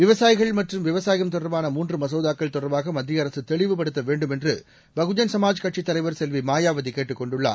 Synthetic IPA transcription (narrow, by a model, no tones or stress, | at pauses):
ʋɪʋɐsaːjɪɣɐɭmɐʈrɯmʋɪʋɐsaːjɐmt̪ɔɽɐɾbaːnɐmuːndrɯmɐs̬ɐʊðaːkːɐɭt̪ɔɽɐɾbaːɣɐmɐd̪ːɪjɐɾɐsɯt̪ɛɭɪʋɯpɐɽɯt̪ːɐʋeːɳɖɯmɛndrɯ | bɐɣɯd͡ʒɐnsɐmaːd͡ʒkɐʈt͡ʃit̪ːɐlɐɪʋɐɾsɛlʋimaːjaːʋɐðikeːʈːɯkːɔɳɖɯɭːa̰ː